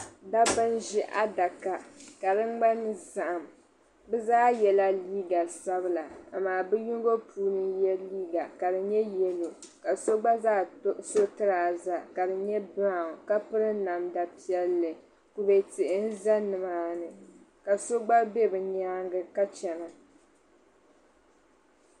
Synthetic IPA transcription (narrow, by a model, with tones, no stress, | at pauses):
da˦bɨ˦nʒi˦ʔa˦da˨ka˨ka˨dɨ˦ŋ͡mɡ͡ba˦n˦za˨ʔa˨m | bɛ˦zaː˦jɛ˨la˦liː˦ɡa˨sa˦bɨ˦la˨a˨maː˨bɨ˦ju˦ŋ˦ɡo˦pʰuː˦nɨ˦jɛ˦liː˦ɡa˨ka˨dɨ˨ɲɛ˦jɛ˦lo˨ka˨so˦ɡ͡ba˦zaː˦so˦tɨ˦ɾaː˨za˨ka˨dɨ˨ɲɛ˦ba˦˨ka˦pɨ˦ɾɨ˦na˨mda˨pi˦ɛ˦lːɨ˨ | ku˦bɛ˨tɪ˨ʔɪ˦n̩˦za˦nɨ˨maː˦nɨ˨ | ka˨so˦ɡ͡ba˦bɛ˦bɨ˨ɲaː˦ŋɡɨ˦ka˦t͡ʃɛ˨nɨ˨